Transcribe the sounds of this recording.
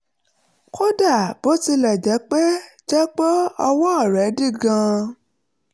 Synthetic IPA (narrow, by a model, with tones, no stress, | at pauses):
ko˦da˦˨b̥o˨˦ti˧lɛ˨d͡ʒɛ˨˦k͡pe˦d͡ʒɛ˦k͡pɔ˦ɔ˧wɔ̃˦ɔ˦˨ɾɛ˨˦di˦˨ɡã˧